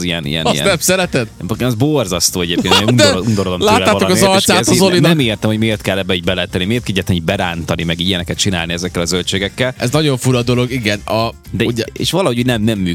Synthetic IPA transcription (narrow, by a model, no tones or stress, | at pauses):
zijɛnḭjɛ̰njɛ̰nɛmsɛɾɛt̪ɛt̪okenɒzborzɒst̪oːɛɟeːpkenejuund̪oɾod̪omlaoːt̪ːaːokɒzɒllt̪ʃsaːt̪ɒzolinɛmeːrt̪ɛmhoɟmeːrt̪kɛlːɛbːɛiɟbɛlɛt̪ɛnimeːrt̪kɛɟɛt̪ɛniɟbɛɾaːnt̪ɒnimɛɡijɛnɛkɛt̪̚t͡ʃinaːlniɛzɛkːɛlɒzølt͡ʃeːɡɛkːɛlɛznɒɟo̞ɱfuɾɒd̪o̞lo̞ɡiɡɛnɒ | d̪ɛuɛḛʃʋɒlɒɦoɟuːɟnɛmnɛmːyː